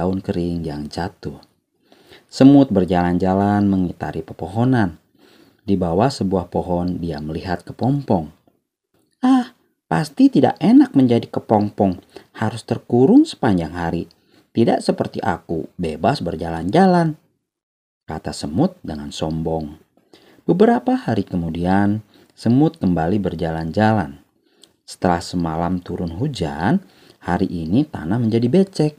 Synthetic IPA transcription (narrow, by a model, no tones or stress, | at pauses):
aʊnkəɾɪŋd͡ʒaŋt͡ʃat̪ʊh | səmʊt̪̚bərd͡ʒaland͡ʒalanməŋit̪a̰ɾipəpɔɦɔnan | dibawasəbuahpɔɦɔndiaməliɦat̪̚kə̥pɔmpɔŋ | ah | past̪it̪ida̰ʔenak̚məɲd͡ʒadikəpɔmpɔŋhaɾʊst̪ərkuɾʊŋsə̥paɲd͡ʒaŋɦaɾi | t̪idaʔsəpərt̪ḭʔa̰kṵbebasbərd͡ʒaland͡ʒalan | ka̰t̪asəmʊt̪̚dəŋansɔmbɔŋ | b̥əbəɾapahaɾikəmudian | səmʊt̪̚kəmbalibərd͡ʒaland͡ʒalan | sə̥t̪əlahsəmalamt̪uɾʊnɦud͡ʒa̰n | haɾiʔːnit̪a̰nahməɲd͡ʒadibet͡ʃɛk̚